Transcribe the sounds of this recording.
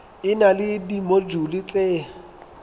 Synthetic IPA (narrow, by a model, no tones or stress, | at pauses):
ɪnalɪdimod͡ʒulɪt͡sʼeː